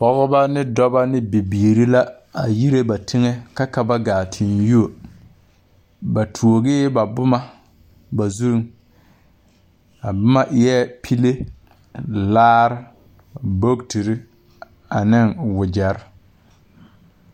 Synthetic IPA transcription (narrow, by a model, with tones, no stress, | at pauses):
pɔ˨ɣʊ˦ba˦nɪ˦dɔ˦ba˦nɪ˦bi˨biː˨ɾi˦la˦ | a˨ji˦ɾe˦ba˨tʰɪ˦ŋɛ˦ka˦ka˦ba˦ɡaː˨tʰɪ˨nju˦o˨ | ba˨tʰu˨o˨ɡɪː˦ba˨bʊ˦ma˦ | ba˨zu˦ɾŋ | a˨bʊ˦ma˦ʔɪ˨jɛ˦pʰi˦le˦ | laː˦ɾɪ˦ | bo˦ɡti˨ɾɪ˦ | a˨nɪ˦ŋwʊ˨d͡ʒa˨ɾɪ˦